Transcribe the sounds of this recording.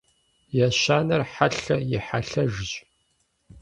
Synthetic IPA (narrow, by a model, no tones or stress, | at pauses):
jaʃaːnɐrħaɬɐjɪħaɬɐʒʑ